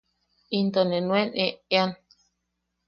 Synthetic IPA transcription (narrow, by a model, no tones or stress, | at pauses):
int̪onẽnw̃eneean